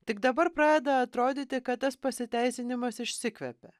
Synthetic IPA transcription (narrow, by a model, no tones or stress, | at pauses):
t̪ʲɪɡd̪ɐbɐɾpɾɑːd̪ʲɛd̪ɐɐt̪ɾoːd̪ʲiːt̪ʲɪkɐt̪t̪ːɐspɐsʲɪt̪ʲæɪsʲɪnʲɪmɐsɪʃʲsʲɪkʋʲɛ̰pʲɛ